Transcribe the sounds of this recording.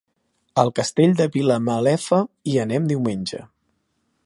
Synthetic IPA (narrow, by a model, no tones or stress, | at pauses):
əlˠkəst̪eʎʲd̪əβiləməlɛfəiənɛmd̪iwmenʲʒə̰